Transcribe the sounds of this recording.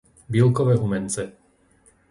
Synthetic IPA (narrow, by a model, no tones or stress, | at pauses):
bilkɔʋɛːɦumɛnt͡sɛ